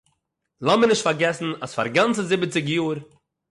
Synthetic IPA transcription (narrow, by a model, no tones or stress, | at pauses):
lˠamənɪʃtfaɾɡɛsn̩asfa̰ɾɡant͡səzɪbət͡sɪɡjuːɾ